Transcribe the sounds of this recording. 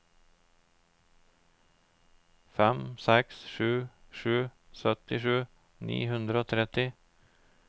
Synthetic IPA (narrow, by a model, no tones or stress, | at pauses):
fɛmsɛksʃʉːʃʉː | sœt̪ɪʃʉː | nḭːhʉnd̪ɾəoːt̪ʰɾɛt̪ɪ